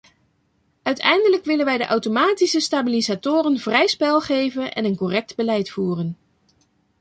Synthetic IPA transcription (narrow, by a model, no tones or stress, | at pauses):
œɥtɛjndələkʋɪlənʋɛjdəʔɑwtomaːtisəstabilizatʊːrənv̥rɛjspɛlˠχejvənɛ̰nənkorɛk̚dbəlɛjtfuːrən